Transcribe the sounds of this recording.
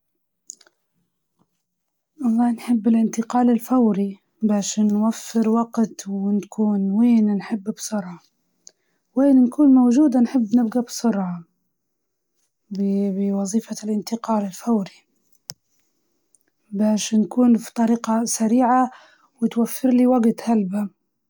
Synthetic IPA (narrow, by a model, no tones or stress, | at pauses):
ʔɑlˤːɑːhnħɪbːɪlʔɪnt̪ɪqɑːlɪlfawɾi | baʕʃeːnːwafːɪɾwaɡt̪wɪnkʰuːnweːnnħɪbːbsˤʊɾʕɑ | weːnnkʰuːnmowd͡ʒuːd̪anħɪbːnɪbɡabsˤʊɾʕɑ | bbɪwɑðˤiːfalʔɪnt̪ɪqɑːlɪlfawɾi | baːʃnkuːnfi̥t̪ˤɑɾiːqasaɾiːʕa | wɪt̪wafːɪɾliːwaɡt̪halba